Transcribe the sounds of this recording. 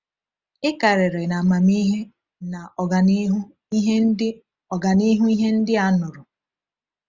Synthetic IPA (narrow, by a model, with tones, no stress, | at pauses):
ɪ˦ka˨ɾɪ˨ɾe˨na˨ma˨mi˦ɦe˦ | na˨ɔ˨a˨˦ɦ | i˦ɦe˦ | ɔ˨ɡa˨ni˦ɦu˦i˦ɦe˦n̩˦dɪ˦a˦nʊ˨ɾʊ˨